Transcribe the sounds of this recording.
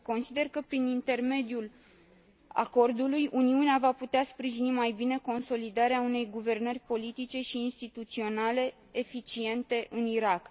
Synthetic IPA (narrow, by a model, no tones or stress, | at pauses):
ko̞nsid̪e̞rkəpɾinint̪e̞rme̞d̪ijul | a̰ko̞rd̪ulujuniuneavaput̪easpɾiʒinimajbine̞ko̞nso̞lid̪aɾeaune̞jɡuve̞rnərʲpo̞lit̪it͡ʃe̞ʃiːnst̪it̪ut̪sio̞nale̞ | efit͡ʃie̞nt̪e̞ʔɨniɾak